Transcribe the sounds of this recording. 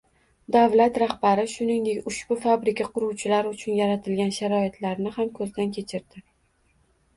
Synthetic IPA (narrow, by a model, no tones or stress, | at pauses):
d̪avlat̪ɾahbaɾɪʃʊnɪŋd̪e̞kʲʊʃbʊfabɾɪkʲaqʰʊɾuwt͡ʃʰɪlaɾʊt͡ʃʰʊnjaɾat̪ʰɪlɡʲanʃaɾɒɪt̪ʰlaɾnɪhamkʰɵzd̪ankʲʰe̞t͡ʃʰɪɾd̪ɪ